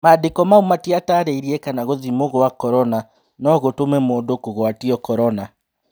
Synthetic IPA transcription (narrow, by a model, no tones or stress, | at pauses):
madekɔmaumatiataɾeiɾiɛkanaɣoðimoɣɔwakɔɾɔna | nɔɣotomɛmoːndokoɣwatiɔkɔɾɔna